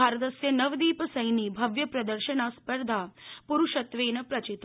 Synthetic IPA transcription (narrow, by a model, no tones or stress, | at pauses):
aːɾət̪ɐsjɐnɐʋd̪iːpəsɐjniːbʱɐʋjɐpɾɐd̪əɾʃənaspəɾd̪ʱapuɾuʃɐt̪ʋeːnɐpɾɐt͡ʃit̪